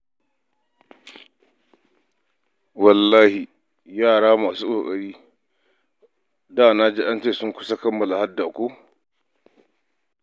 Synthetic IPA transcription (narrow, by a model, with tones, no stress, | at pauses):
wɐ˨lːaː˦hi˨ | jaː˦˨ɽaː˦maː˨suː˦kʷʼoː˨kʼɐ˨ɽiː˦ | daː˦˨na˦d͡ʒe˦ʔa˦nt͡ʃeː˦˨sʊ˦ŋkʷʊ˦sa˦kɐ˦mːɐ˨la˨ha˦dːa˨kʷoː˦